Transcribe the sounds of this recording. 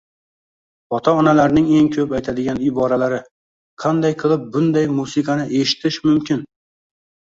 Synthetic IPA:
ɒt̪ʰaɒnalaɾnɪŋe̞ŋkʲʰɵpajt̪ʰad̪ɪɡʲanɪbɒɾalaɾɪ | qʰɑnd̪ajqʰɨlˠɪp̚bʊnd̪ajmusɪqʰɑnɪʔe̞ʃɪ̥t̪ʰɪʃmʊmkʲʰɪn

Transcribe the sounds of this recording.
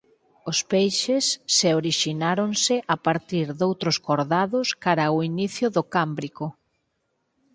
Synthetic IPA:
ospejʃesːeoɾiʃinaɾonsɪʔapaɾt̪iɾðowt̪ɾoskoɾðaðʊskaɾaoiniθjʊðʊkambɾikʊ

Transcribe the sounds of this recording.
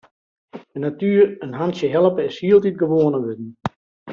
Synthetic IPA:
ənatyːərənɦantsjəɦɛlˠəpəɪshiəlˠtit̚ɡəʋoənəʋødn̩

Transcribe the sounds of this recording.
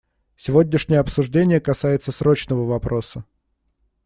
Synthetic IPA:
sʲɪvo̞dʲnʲɪʂnʲɪjəɐpsʊʐdʲenʲɪjəkɐsajɪt̪səsɾo̞t͡ɕnəvəvɐpɾʔo̞sə

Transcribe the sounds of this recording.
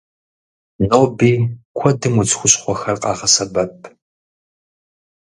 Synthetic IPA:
noːbiːkʷʰɔdɨmut͡sxʷʊɕʼχʷɔxɐrqʼɑ̰ːʁɐsɐbɐp̚ʰ

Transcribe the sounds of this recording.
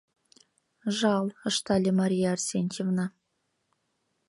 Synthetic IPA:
ʐɑlˠɤ̆ʂt̪ɑlʲemaɾʲijaːrsʲenʲt͡ɕevnɑ

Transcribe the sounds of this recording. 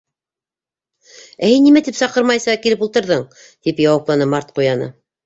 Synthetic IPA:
æhinːimæt̪ipsɑqɤɾmɑjsɑkilɘp̬ulˠt̪ɤ̆ɾðɤɴ | t̪ipjɑwɑplˠɑnɤmɑɾt̪qujɑnɤ̰

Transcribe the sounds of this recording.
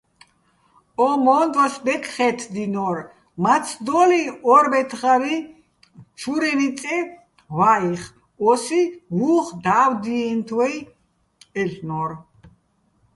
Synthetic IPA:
ɔmɔːnd̪wasbɛkʰʼχɛt̪ʰd̪inɔɾ | mat͡sʰd̪ɔliɔɾbɛt̪ʰχaɾi | t͡ʃʰuɾɛnit͡sʼɛ | waiχ | ɔsiɦuːχd̪aːwd̪iɛnt̪ʰwɛj | ɛɬnɔɾ

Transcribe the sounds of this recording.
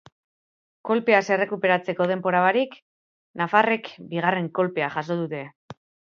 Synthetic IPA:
ko̞lpe̞ase̞re̞kupe̞ɾat͡se̞ko̞ð̞e̞mbo̞ɾaβaɾik | nafare̞kbiɣ̞are̞ŋko̞lpe̞aχas̬o̞ðut̪e̞

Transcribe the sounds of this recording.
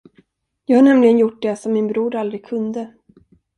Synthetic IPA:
jɑːɡhaɳɛmlɪɡənjʊʈ̚ːd̪ɛsɔmːɪnbɾuːɾald̪ɾɪɡ̚kʰɵnd̪ə

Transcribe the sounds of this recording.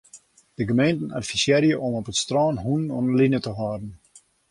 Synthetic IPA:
d̥əɡəmejntən̩a̰tfisjɛɾjəʔɔmɔpətstrɔːnɦunɔnlinətəɦɔːdən̩

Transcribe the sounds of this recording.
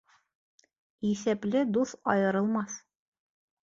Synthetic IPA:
isæplɘd̪uθɒ̰jɤ̆ɾɤ̆lˠmɑθ

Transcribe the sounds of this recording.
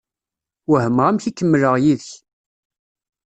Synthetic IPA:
wəhəmʁæmçikːəmːləʁjiðəç

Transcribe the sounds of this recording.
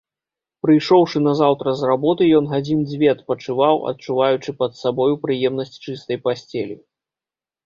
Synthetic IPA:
pɾɨjʂɔwʂɨnɐzawt̪ɾɐzrabɔt̪ɨjɔnɦad͡zʲind͡zʲvʲɛt̪pɐt͡ʂɨvawɐ̰t̪̚t͡ʂuvajut͡ʂɨpɐt̪sabɔjupɾɨjɛmnɐsʲt͡sʲt͡ʂɨst̪ɐjpasʲt͡sʲɛlʲi

